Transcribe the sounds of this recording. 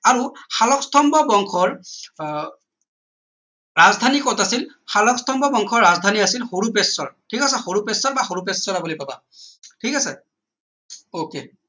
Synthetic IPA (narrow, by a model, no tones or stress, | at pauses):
aɹuxalɔkstʰɔmbɔbɔŋkʰɔɹ | ɹazdʱanikɔtasil | xalɔkstʰɔmbɔbɔŋkʰɔɹazdʱaniasilxoɹupesɔɹtʰikasɛxoɹupesɔɹbaxoɹupesɔɹabulipaba̰ | tʰikasɛ | okḛ